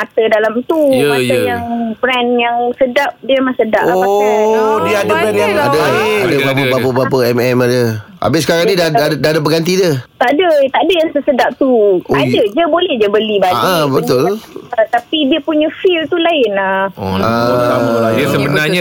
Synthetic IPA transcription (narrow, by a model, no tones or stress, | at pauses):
mat̪ədalamt̪umaajaŋbɾɛnjaŋsədap̚diəmasəda̰ʔaa | diaadəadəbapəbapəbap̬əɛmɛmadə | a̰bɪsəkaɾaŋnĩdaddaadəbəɡant̪̬idət̪aʔdət̪adəjaŋsəsədaʔ̚t̪uadəd͡ʒəbolɛhd͡ʒəbəlibad͡ʒabəʊlət̪apidiəpuɲə̃filt̪ulaɪnaa | səbəna